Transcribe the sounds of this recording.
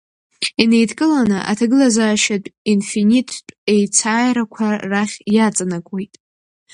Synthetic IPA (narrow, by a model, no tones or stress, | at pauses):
ine̞jdkʼɨlanɨʔa̰tʰaɡɨlazaːʃatʷʼinfinʲitʰːʷʼe̞jt͡sʰaːjɾakʷʰaraχʲjat͡sʼanakʷʼo̞jtʼ